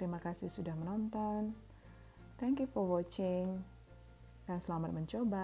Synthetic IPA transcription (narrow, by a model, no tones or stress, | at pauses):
t̪əɾimakasɪhsudahmənɔnt̪ɔn | t̪ʰɛŋkjufɔrwɔt͡ʃɪŋ | jaŋsəlamat̪̚məɲt͡ʃoba